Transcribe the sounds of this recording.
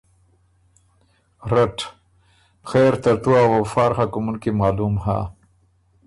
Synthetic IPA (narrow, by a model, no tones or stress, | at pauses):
ɾaʈ | xeɾt̪ɐɾt̪uawawfaːɾxakumunkimaːlumha̰